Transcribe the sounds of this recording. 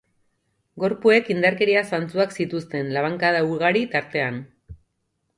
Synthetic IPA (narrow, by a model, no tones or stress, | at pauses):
ɡo̞ɾpue̞kind̪aɾke̞ɾiasant͡suaksit̪ust̪e̞nlaβaŋkaðauɾɣaɾit̪aɾt̪e̞an